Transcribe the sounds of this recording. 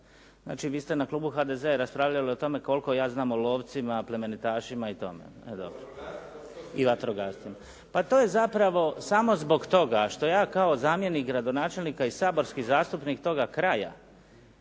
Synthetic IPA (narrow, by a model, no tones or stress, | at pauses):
zna̰ːt͡ʃiʋiːst̪e̞naklˠuːbuxad̪ezeaɾaspɾaːʋʎalio̞t̪o̞me̞ko̞lko̞jaːznaːmolˠo̞ːʋt̪simaple̞me̞nit̪aːʃimait̪o̞̰mḛ | ed̪o̰bɾo | iʋat̪ɾoɡaːst̪ima | pat̪oːje̞zapɾaʋo̞samo̞zbo̞ɡt̪o̞ɡaʃt̪o̞jaːkaozaːmje̞nikɡɾad̪o̞naːt͡ʃe̞lnikaisaːbo̞ɾskizaːst̪upnik̚t̪o̞ɡakɾaja̰